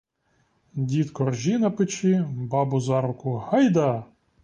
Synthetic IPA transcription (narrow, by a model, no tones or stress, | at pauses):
dʲit̪kɔrʒʲinɐpɪt͡ʃibɑbʊzɑɾʊkʊhɑjd̪ɐ